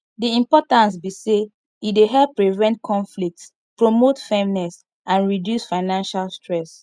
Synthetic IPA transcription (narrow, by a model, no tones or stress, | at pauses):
diĩmpɔtãns̬bise | ideɦɛlpːɹivɛ̃nt̚kʰɔ̃nflik̚ts | pɹomotfɛmnɛs | ãnɹidjusfaɪnãnʃalstɹɛs